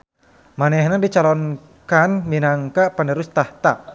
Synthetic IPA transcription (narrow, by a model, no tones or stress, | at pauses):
manɛhnadit͡ʃalɔn | kanminaŋkaʔpanəɾust̪aht̪a